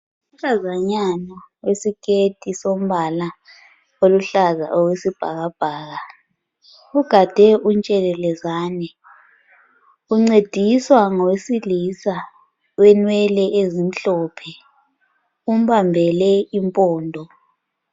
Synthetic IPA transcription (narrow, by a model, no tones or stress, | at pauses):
um̩ɬazaɲanɔwesikʰʼed̥ʱʼisom̩βala | oluɬaza̰ʔowesib̥ʱaɣab̥ʱaːɣa | uɡ̥ʱad̥ʱɛʔunt͡ʃʼɛlɛlɛzaːnɛ | uŋ͡ǀed̥ʱiswaŋɔwesilisa | wɛnwɛlɛʔezim̩ɬɔpʰɛ | um̩βambʱɛlɛimpʼɔːndʱɔ